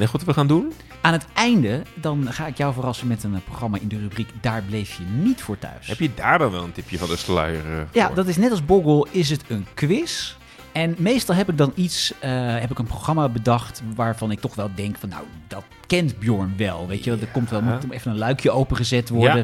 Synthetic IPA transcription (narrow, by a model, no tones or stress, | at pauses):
nɛɔtʋəχaːndun | aːnətɛjndədɑnχaːɪkjɔwvərɑsənmɛtənproχrɑmaʔɪndərybrikdaːɹblejfjənitfʊːɹtœ̰ɥsɛpjədaːɹdɑnʋɛlˠəntɪpjəvɑndəslœ̰jərjadɑtɪsnɛtɑlˠzbuɡəlˠɪs̬ɦətənkʋɪs | ɛnmejstɑlˠɦɛpɪɡ̚dɑnitsəɦɛp̬ɪkənproχrɑmaːbədɑχtʋaːɹvɑnɪk̚tɔχʋɛlˠdɛŋkfɑnːa̰wdɑt | kɛntbjʊɹnʋɛlˠʋejəʋɛlˠdəkɔmtʋɛlˠmutɛfənənlœɥkʰjəowpəχəzɛtʋɔɹdə